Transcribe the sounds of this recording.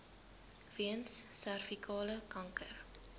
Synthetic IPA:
viənsːærfikʰɑːləkɐŋkər

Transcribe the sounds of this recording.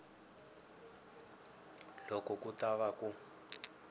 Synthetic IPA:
lɔkɔkutaβaku

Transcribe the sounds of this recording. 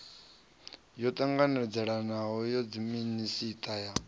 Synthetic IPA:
jɔt̪ʼaŋɡanɛd͡zɛɺanaɦɔjɔd͡ziminisitʼaja

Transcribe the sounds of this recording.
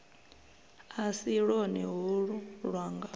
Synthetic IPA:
asiɺonḭɦuɺuɺwaːŋɡa

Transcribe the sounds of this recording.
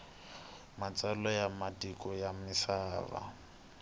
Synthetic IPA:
mat͡sʼalɔjamatikʼɔjamɪsaːβa̰

